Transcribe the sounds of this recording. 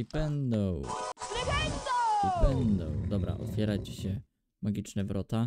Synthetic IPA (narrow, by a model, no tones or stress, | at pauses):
ibɛnd̪ɔ̃w̃ | ibɛnd̪ɔ̰̃w̃d̪ɔbɾa̰ʔɔ̰fʲjɛɾat͡ɕɕɛ | maɡʲit͡ʂnɛvɾɔt̪a